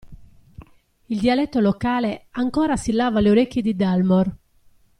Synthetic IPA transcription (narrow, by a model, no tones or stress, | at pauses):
ild̪ialɛt̪ːolokaːleaŋkɔːɾasilːaːvaleoɾekːjid̪id̪almɔr